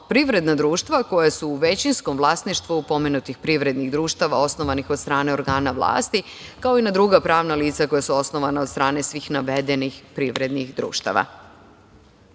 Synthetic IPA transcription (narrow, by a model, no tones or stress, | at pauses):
pɾiʋɾe̞d̪nad̪ɾuːʃt̪ʋako̞jasuːʋe̞t͡ɕinsko̞mʋlˠaːsniʃt̪ʋuupo̞menut̪ixpɾiʋɾe̞d̪niɣd̪ɾuːʃt̪aʋao̞snoʋanixod̪st̪ɾaːne̞o̞ɾɡaːnaʋlˠa̰ːst̪i | kaoinad̪ɾuɡapɾaːʋnaliːt̪sako̞jasuo̞sno̞ʋanaod̪st̪ɾaːne̞sʋixnaʋed̪enixpɾiʋɾe̞d̪nixd̪ɾṵːʃt̪a̰ʋa̰